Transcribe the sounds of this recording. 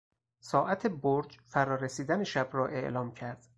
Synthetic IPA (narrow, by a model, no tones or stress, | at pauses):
sɒːʔæt̪ʰe̞boɾd͡ʒfæɾɒːɾesiːd̪æneʃæbɾɒːʔe̞̰ʔlɒːmcʰæɾd̪̥